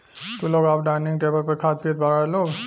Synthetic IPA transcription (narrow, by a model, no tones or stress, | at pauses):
t̪uloːɡaːpɖaɪnɪ̃ŋɡʈeːbəɾpekʰaːt̪̚pit̪̚baɾaloːɡ